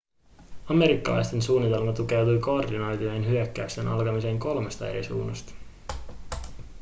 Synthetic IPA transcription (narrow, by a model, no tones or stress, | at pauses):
ɑme̞ɾikːɑ̰lɑ̰jst̪e̞nsuːnːit̪e̞lmɑt̪uk̟æɥt̪ujko̞ːrdinojt̪iojenɦyøkːæyst̪e̞nɑ̰lkɑmise̞ːŋko̞lme̞st̪ɑe̞̰ɾḭsṵːnɑst̪ɑ̥